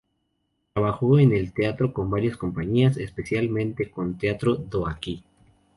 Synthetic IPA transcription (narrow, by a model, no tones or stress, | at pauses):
t̪ɾaβaxo̞ene̞lt̪eat̪ɾo̞ko̞mbaɾjasko̞mpaɲiasespe̞sjalmẽ̞nt̪e̞ko̞nt̪eat̪ɾoðoaki